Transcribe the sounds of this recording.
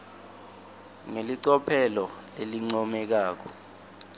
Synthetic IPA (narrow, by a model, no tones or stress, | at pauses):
ŋeliǀɔpʰɛlɔleliŋ͡ǀɔmɛk̬aːk̬ɔ̥